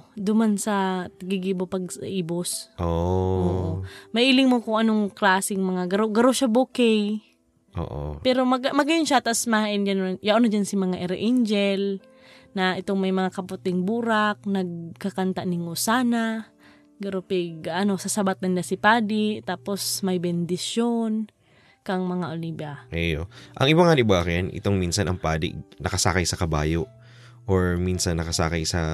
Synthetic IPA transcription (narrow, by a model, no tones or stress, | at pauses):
d̪ʊmansɐt̪ɐɡɪɡiːbopɐɡ̚saʔiːbosʔoʔo̰ːʔomɐʔilɪŋmokʊŋʔɐnoŋklaːsɪŋmɐŋaɡɐɾoɡɐɾoʃabukɛj | ʔo̰ʔo̰pɛɾomɐɡmɐɡɐjonʃat̪aʔasmaaʔɪnd͡ʒanojaʔonɐd͡ʒansimɐŋaʔɛɾʔind͡ʒɛl | nɐʔɪt̪oŋmɐjmɐŋakɐpʊt̪ɪŋbuːɾak̚nɐɡ̚kakant̪anɪŋosaːna | ɡɐɾopɪɡʔɐnosɐsɐbat̪̚nɐnlasɪpaːd̪ɪt̪aːposmɐjbɛnd̪ɪsjon | kɐŋmɐŋaʔolibaʔɛjoʔɐ̰ŋʔɪbaŋanɪbaːkanʔɪ̰t̪oŋminsɐnɐŋpaːd̪ɪ̰nɐkɐsa̰ːkajsɐkɐba̰ːjoʔ | ʔoɹminsɐnːɐkɐsa̰ːkajsɐ